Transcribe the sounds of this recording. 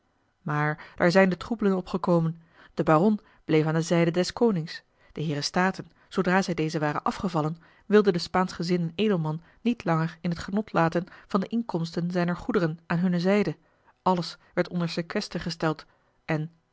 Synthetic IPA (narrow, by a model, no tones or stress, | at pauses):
maːɹd̥aːɹzɛjndətrubələnɔpχəkowmən | d̥əbaːʁɔn | b̥lejfaːndəzɛjdədɛskownɪŋs | d̥əɦɪːɾəstaːtən | z̥owdraːzɛjdejzəʋaːʁə̰nʔɑfχəvɑlən | ʋɪlˠdədəspaːnsχəzɪnənejdəl̩ˠmɑnːitlɑŋəɹɪnɦətχənɔtʰlaːtənv̥ɑndəʔɪŋkɔmstənzɛjnəɹχudəʁənʔaːnɦɵnəzɛjdə | ʔɑləsʋɛɹtɔndəɹsəkʋɛstəχəstɛlˠt | ʔɛn